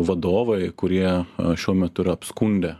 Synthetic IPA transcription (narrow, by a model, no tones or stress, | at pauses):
ʋɐd̪oːʋɐɪkʊɾʲiɛʃʲuɔmʲɛt̪ʊɪɾɐɐpskʊnʲd̪ʲɛ